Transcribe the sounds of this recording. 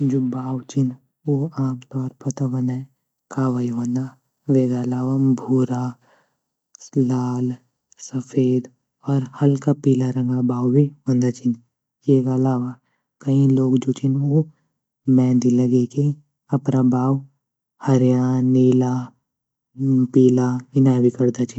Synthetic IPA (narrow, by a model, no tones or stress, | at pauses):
d͡ʒoːbaːwt͡ʃɪn | oːaːmt̪ɔːɾpɐt̪aʋɐnɛ̃ | kaːʋaiɦõːnd̪a | ʋeːɡalaːʋabʱuːɾa | laːl | səfʰeːd̪ | ɔːɾhɐlkapiːlaɾɐ̃ŋɡabaːwbʱiɦõːnd̪at͡ʃʰin | jeːɡalaːʋa | kɐĩloːɡd͡ʒot͡ʃʰino | mɛ̃ːnd̪ilɐɡeke | ɐpnabaːw | hɐɾjaːniːla | piːlaɪnaːbikɐɾd̪at͡ʃʰin